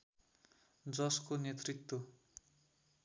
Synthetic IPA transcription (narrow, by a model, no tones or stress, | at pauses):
d͡zʌskonet̪rit̪wo